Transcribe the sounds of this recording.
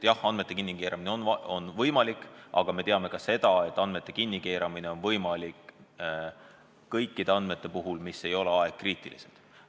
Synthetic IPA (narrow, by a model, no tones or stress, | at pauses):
jɑhɑnme̞t̪ːˑe̞kinːikeːɾɑmineonɑonvɤjmɑlikːˑʔɑ̰ɡ̥ɑme̞t̪eɑme̞kɑse̞d̪ɑe̞t̪ːˑɑnd̪me̞t̪ːˑe̞kinʲːike̞ːɾɑmine̞o̞nvɤjmɑlik | ɤjkˑːid̪̥e̞ɑnd̪̥me̞t̪ːˑe̞puɦulmisːe̞jo̞le̞ɑeɡ̥̚kriːt̪ˑḭlḭsḛd̪̥